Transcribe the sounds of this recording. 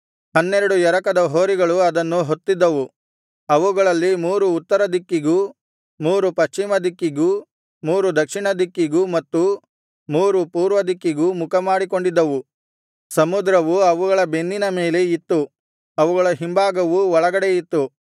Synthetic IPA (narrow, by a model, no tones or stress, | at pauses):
hɐnːɛɾɐɽujɛɾɐkɐd̪ɐɦoːɾiɡɐɭuɐd̪ɐnːuɦo̞t̪ːid̪ːɐʋu | ɐʋuɡɐɭɐlːimuːɾuːt̪ːɐɾɐd̪ikːiɡu | muːɾupɐʃt͡ʃimɐd̪ikːiɡu | muːɾud̪ɐkʂiɳɐd̪ikːiɡumɐt̪ːu | muːɾupuːɾʋɐd̪ikːiɡumukʰɐmaːɽik̬o̞ɳɖid̪ːɐʋu | sɐmud̪ɾɐʋuɐʋuɡɐɭɐbe̞nd̪inɐme̞ːleit̪ːu | ɐʋuɡɐɭɐɦimbaːɡɐʋuɔɭɐɡɐɽeit̪ːu